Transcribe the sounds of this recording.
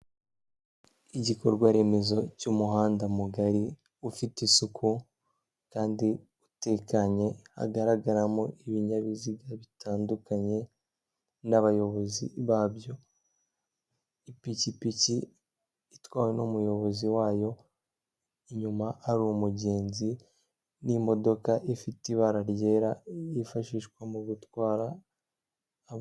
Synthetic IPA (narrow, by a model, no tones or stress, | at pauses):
iɟikoɾɡwaɾe̞me̞zo̞cumuɦaːndamuɡaɾi | ufitisukʰu | kaːndi | ute̞kaɲe̞ha̰ɡaɾaɡaɾamoiβiɲaβiziɡaβitaːndukaɲe̞ | naβajo̞βo̞zḭβaːβjo̞ | ipicipiciː | twaːwe̞nomujo̞βo̞ziwaːjo̞ | iɲumaaɾuumuɟe̞ːnzi | nimo̞do̞kaʔifitiβaɾaɾje̞ːɾaifaʃiːʃkwamuɡutwaːɾa